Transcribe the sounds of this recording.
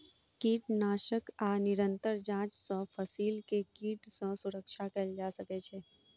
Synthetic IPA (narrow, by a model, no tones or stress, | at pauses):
kiːʈnaːʃəkaːnɪɾə̃nt̪əɾd͡ʒãːt͡ʃsɔ̃fʰəsiːlkekiːʈsɔ̃sʊɾəkʃakəld͡ʒaːsəket͡ʃʰeː